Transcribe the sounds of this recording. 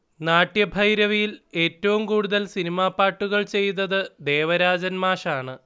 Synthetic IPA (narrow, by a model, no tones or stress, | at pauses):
naːʈːjɐbʱɐjɾɐʋijile̞ːtːɐʋumkuːɽuðɐlsinimaːpːaːʈːuɣɐɭt͡ɕe̞jt̪ːɐðɨd̪e̞ːʋɐɾaːd͡ʑɐnmaːʂaːɳɨ